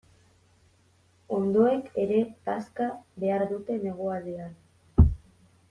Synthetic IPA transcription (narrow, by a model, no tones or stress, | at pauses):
o̞nd̪o̞e̞ke̞ɾe̞paskaβe̞aɾðut̪e̞ne̞ɣ̞oaðean